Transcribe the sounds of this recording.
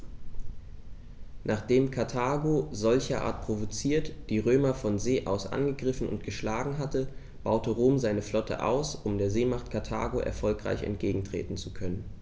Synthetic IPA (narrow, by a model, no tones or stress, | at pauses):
nʔaːχd̥eːmkʰaɐtʰaːɡozɔlçɐʔa̰ːɐt̚pʁ̥ovot͡siːɐtd̥iːʁøːmɐfɔnzeːʔa̰ʊsʔa̰nɡəɡʁɪfn̩ʊ̰ntɡ̥əʃlaːɡŋ̩ɦatə | b̥aʊtəʁoːmzaɪnəflɔtʰə̰ʔa̰ʊsʊmdeːɐzeːmaχt̚kʰaɐtʰa̰ːɡoʔɛ̰ɐfɔlkʁ̥a̰ɪçɛ̰ntɡ̥eːɡŋ̩tʁ̥ḛːtn̩t͡sukʰœnən